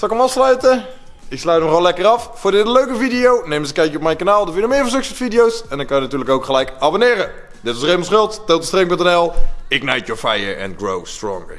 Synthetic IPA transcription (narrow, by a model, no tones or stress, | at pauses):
sɑlˠɪkəmɑfslœɥtə | ɪkslœɥtmɔχɔlɛkərɑffʊːɹdɪdəløɥkəvidijownejməzəkɛjkjəɔp̚mɛjnkanaːlˠdəvɪndəmɪːɹvɑ̃nsɵksɛsfidijowsɛndɑnkɑnjənatyːɹləkowkχəlɛjkabonɪːɾə | dɪtʋɑsrejməlˠsχɵlˠtdowtəstrɪŋpɵntɛnɛlˠɪknɛjtjɔɹfɛjə̰ɹɛ̰nɡro̰wstrɔ̰ŋɡə̰